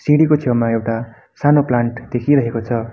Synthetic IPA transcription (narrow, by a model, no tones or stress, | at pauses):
siɽikot͡sʰimaewʈa | sanoplaɳʈd̪̥ekʰiɾʌɦekot͡sʰʌ